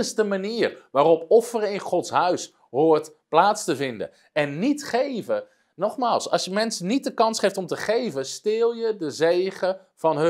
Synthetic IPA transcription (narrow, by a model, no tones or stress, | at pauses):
ɪsdəmaniːrʋaːɾɔpɔfərəɪnχɔtsɦœɥs | ɦoːtplaːtstəvɪndə̰ | ɛnːitχejvə | nɔχmaːlˠsɑ̰sjəmɛnsnit̚dəkɑnsχejftɔmtəχejvəstɪːlˠjədəzejχə | v̥ɑnɦ